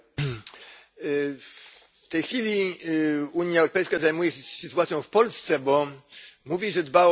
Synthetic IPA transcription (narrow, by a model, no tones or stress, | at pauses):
ft̪ɛjxfʲilʲi | uɲjaɛwɾɔpɛjskazajmujɛsɨt̪uat̪sʲjɔ̃w̃fpɔlst̪sɛbɔmuvʲiʐɛd̪ba